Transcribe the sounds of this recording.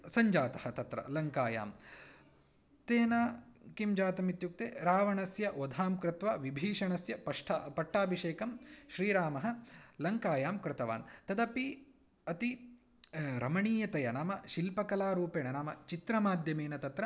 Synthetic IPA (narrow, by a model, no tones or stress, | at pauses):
sɐɲd͡ʒaːt̪ɐ̥hɐt̪ɐt̪ɾɐ̰lɐŋkaːja̰ːm | t̪eːnaːkimd͡ʒaːt̪ɐmit̪juk̚t̪eːɾaːʋɐɳɐsjɐʔod̪ʱaːmkɾɪt̪ʋaʋibʱiːʂɐɳɐsjɐpɐʂʈʰpɐʈːaːbʱiʃeːkɐmʃɾiːɾaːmɐɦɐ̆lɐŋkaːjaːmkɾɪt̪ɐʋa̰ːnt̪ɐd̪ɐpi | ɐt̪i | ɾɐmɐɳiːjɐt̪ɐjɐnaːmɐʃilpɐkɐlaːɾuːpeːɳɐnaːmɐt͡ʃit̪ɾɐmaːd̪ʱjɐmeːnɐt̪ɐt̪ɾɐ